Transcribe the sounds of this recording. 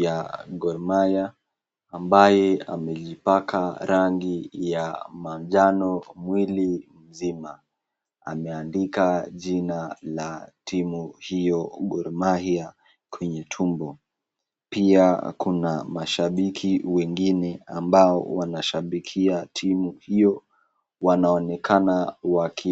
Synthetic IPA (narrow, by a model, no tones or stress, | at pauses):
jaɡɔɾmajaː | mbajɛa̰mɛʄipakʰaɾaŋɡijamamʄanɔmwilim̩zima | a̰mɛandikaʄinalatʰimuhijɔɠɔɾmahia | kwɛɲɛtʰumbɔ | piakunamaʃaɓikʰiwɛŋɡinɛa̰mbaɔ̰wanaʃaɓikʰiatʰimuhijɔ | wanaɔnɛkʰanawakʰi